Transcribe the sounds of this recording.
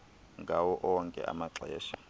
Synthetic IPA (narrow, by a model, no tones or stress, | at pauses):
ŋɡʱawɔʔɔŋkʼɛ̰ʔa̰maǁɛːʃḁ